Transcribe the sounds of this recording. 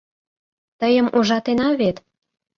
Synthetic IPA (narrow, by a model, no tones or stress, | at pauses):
t̪əjə̆mʔuʒɑt̪enɑβet̪